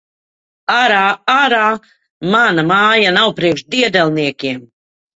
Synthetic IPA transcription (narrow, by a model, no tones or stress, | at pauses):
aɾaaɾaː | manamaːjanawpɾiɛkʃd̪iɛd̪ɛlˠniɛkʲiɛm